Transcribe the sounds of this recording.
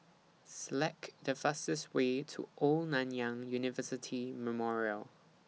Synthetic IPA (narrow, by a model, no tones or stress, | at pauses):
səlɛkdəfastəstweːtʰṵʔɔlnãnjãŋjunɪvəsɪtʰiməmɔɹiəl